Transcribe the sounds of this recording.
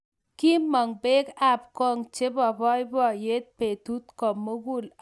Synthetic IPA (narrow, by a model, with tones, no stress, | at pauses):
ki˦mːɔ˨ŋbe˦ɡa˦p̚kɔ˦ŋt͡ʃe˦bɔ˨bɔ˦jbɔ˦˨je˦t̪̚pe˨t̪u˦t̪kɔ˨mːo˦ɡu˦l